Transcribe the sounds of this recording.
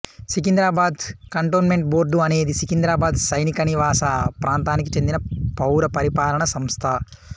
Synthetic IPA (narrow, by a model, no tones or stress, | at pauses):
sikind̪ɾaːbaːd̪kɐɳʈoːnme̞ɳʈboːɾɖuɐne̞ːd̪isikind̪ɾaːbaːd̪sɐjnikɐniʋaːsɐpɾʔaːnt̪aːnikit͡ʃe̞nd̪inɐpɐwɾɐpɐɾipaːlɐɳɐsɐmst̪ʰɐ